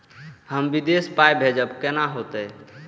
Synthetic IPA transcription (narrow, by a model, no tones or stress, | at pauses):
həmbid̪espajbʱed͡ʒəbkɛnaɦot̪ɛ